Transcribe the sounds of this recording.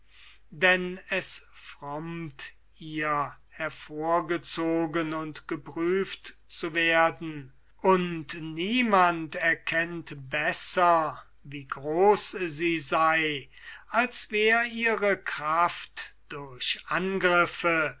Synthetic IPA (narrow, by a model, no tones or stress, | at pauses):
dɛnɛsfʁɔmt | ʔiːɐ | hɛɐfoːɐɡət͡soːɡənʊntɡ̥əpʁ̥yːftt͡suveɐdn̩ | ʔʊntniːmantɛɐkʰɛntbɛsɐ | viːɡʁoːsziːzaɪ | ʔalsv̥ɛːʁəiːʁəkʁ̥aftd̥ʊɐɕʔanɡʁɪfə